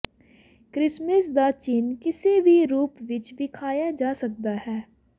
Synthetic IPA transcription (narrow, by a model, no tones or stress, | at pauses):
kɾɪsməsd̪aːt͡ʃɪnkɪseːbʱiːɾuːpʋɪt͡ʃʋɪkʰaːjaːd͡ʒaːsək̚d̪aːɦɛː